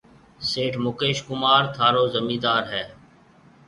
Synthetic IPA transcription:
seːʈʰmʊkeːʃkʊmaːɾt̪ʰaːɾoːzəmiːd̪aːɾɦɛː

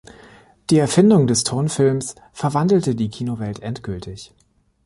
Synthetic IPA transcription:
d̥iːɛɐfɪndʊŋdɛstʰʊɐnfɪlms | fɛɐvandl̩tədiːkʰiːnovɛltʔɛntɡ̥ʏltʰɪç

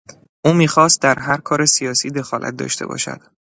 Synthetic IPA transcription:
ʔuːmiːxɒːst̪̚d̪æɾɦæɾkʰɒːɾe̞sijɒːsiːd̪e̞xɒːlæ̰t̪̚d̪ɒ̰ːʃt̪ʰe̞̰bɒ̰ːʃæ̰d̪̥

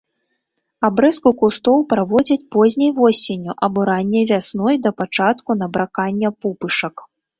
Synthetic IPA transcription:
abɾɛskukust̪ɔwpɾavɔd͡zʲɐt͡sʲpɔzʲnʲɐjvɔsʲenʲuʔɐbuɾanʲːɛvʲasnɔjd̪ɐpat͡ʂat̪kun̪ɐbɾakanʲːɐpupɨʂɐk

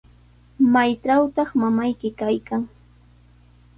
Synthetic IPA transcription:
majʈ͡ʂawt̪ɑχmamajkɪkajkaŋ

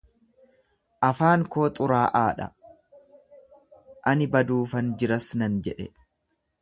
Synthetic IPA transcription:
ʔɐfaːŋko̞ːt̪ʼʊɾaːʔaːᶑɐ̰ | ʔɐnɪbɐd̪uːfɐnd͡ʒɪɾɐsnɐnd͡ʒɛᶑɛ

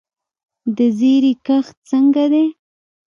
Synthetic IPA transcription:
d̪əzeɾikəxt̪̚t͡səŋɡad̪e

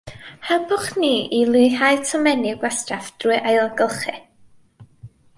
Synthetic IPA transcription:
habʊχniːilˠɨɦajtʰɔmɛnɪɡwastrafd̥ruɨʔajlˠaɡəlˠχɨ

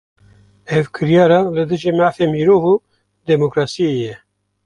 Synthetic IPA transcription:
ɛvkʰɨɾjɑːɾɑːlɨd̪ɨʒiːmaːfeːmiːɾoːvu | d̪ɛmokɾɑːsiejɛ

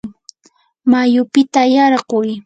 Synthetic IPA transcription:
majʊpɪt̪ajɑɾɢʊj

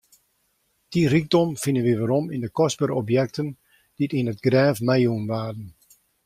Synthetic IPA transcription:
d̥iriɡ̚dɔmfɪnənʋiʋaɾɔmindəkɔsbəɾɔpjɛk̚tən | d̥itinətɡrɛːfmajunʋaːdən̩

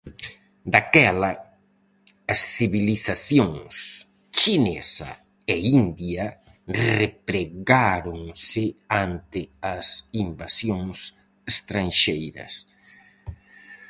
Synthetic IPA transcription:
d̪akɛlɐ | ɐsθiβiliθaθjoŋs | t͡ʃinɛsɐ̰ | eind̪jɐ | repɾeɣaɾoŋsɪant̪ɪɐsimbasjoŋs | est̪ɾanʃejɾɐ̰s

